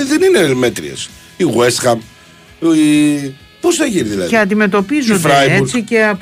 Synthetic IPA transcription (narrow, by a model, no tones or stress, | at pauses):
ðeninemet̪ɾḭḛs | iɣwesxɐm | posθɐʝiniðilɐðiceɐnd̪ime̞t̪o̞pizonfɾɾajeut͡ssice̞ɐp